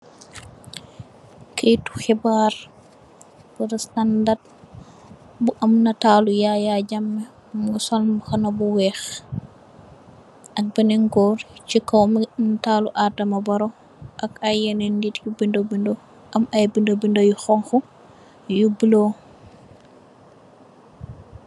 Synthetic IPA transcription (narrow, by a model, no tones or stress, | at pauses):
kejtu̥xibaɾ | b̥oɾɔstandad̚ | buʔɐmnataːlujajaɟamːɛ | ŋɡusɔlmxɐnabuwɛːx | ʔɐk̚bɛnɛŋɡɔːɾt͡ʃikowmntaːluʔadɐmabaɾo | ʔakajɛnɛnditjubindobindo | ʔɐmajbindobindojuxɔŋxu | jubilo